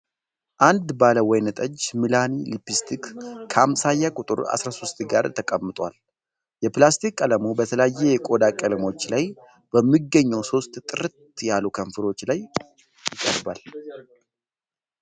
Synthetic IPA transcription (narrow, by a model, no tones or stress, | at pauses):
ʔand̪baləwɔjnət̪ʼəd͡ʒmilanilipist̪ʰikːʰamsajːakʼʊt̪ʼɨ̰ɾa̰sɾaso̞st̪ɡaɾt̪ʰəkʼəmːɨt̪ʼwa̰l | jɛplast̪ʰikːʼələmubət̪ʰələjajːɛjɛkʼo̞d̪akʼələmo̞t͡ʃːlaj | b̥əmːiɡːəɲːɛwso̞st̪ʼt̪ʼɨɾt̪jalukʰəɱfɨɾo̞t͡ʃːlaj | jɪkʼə̰ɾba̰l